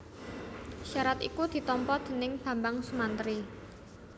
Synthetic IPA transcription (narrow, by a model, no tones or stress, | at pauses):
ʃaɾat̪ḭkud̪̥i̤t̪ɔmpɔd̪̥ə̤nɪŋb̥ä̤mbaŋsumant̪əɾi